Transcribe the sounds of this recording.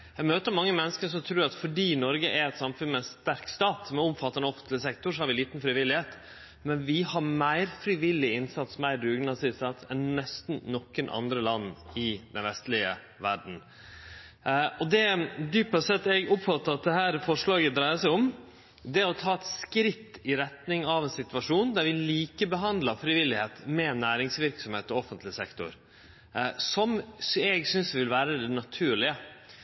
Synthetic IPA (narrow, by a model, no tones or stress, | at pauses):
æɡmøːt̪əɾmɑŋːəmɛnːəskəʂɔt̪ʰɾuːɾɑt̪fɔɖiːnɔɾɡəʔæɾɛt̪sɑmfʉnmɛnst̪æɾkst̪ɑːt̪sɔmɛɾɔmfɑt̪ːɑnɔfnt̪lɪsɛk̚t̪ʊsɔhɑɾʋɪliːt̪nfɾɪʋɪlːɪheːt̪ | mɛnʋɪhɑɾmæɪɾfɾɪʋɪlːɪɪnsɑt̪smæɪɾɾʉːɡnɑsɪsɑt̪ɛnːɛst̪n̩nɔkːənʔɑ̰nd̪ɾəlɑnːɪd̪ɛ̰nʋɛst̪lɪə̰ | ʋæɖɳ̩ | ɔd̪ɛd̪yːpɔsɛt̪ːɛɡʊpfɑt̪ːəɾɑt̪̚d̪ɛhæːɾfɔʂɭɑːɡəd̪ɾæɪəsæɪɔm | d̪ɛɔt̪ʰɑːɛt̪skɾɪt̪ːɪɾɛt̪nɪŋɑʋɛnsɪt̪ʋɑʂuːnd̪æɾʋɪliːkəbəɦɑnd̪lɑfɾɪʋɪlːɪheːt̪mɛnæːɾɪŋsʋɪɾksɔmheːt̪ɔɔfːənt̪lɪsɛkt̪ʊ̰ɾ | sɔmsɛɡsʏnsʋɪlʋæːɾəd̪ɛnɑt̪ʰʉːɭɪə